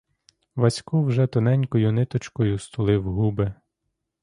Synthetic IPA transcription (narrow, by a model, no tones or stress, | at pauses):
ʋɐsʲkuwʒɛt̪ɔnɛnʲkɔjʊnɪt̪ɔt͡ʃkɔjʊst̪ɔlˠɪwɦube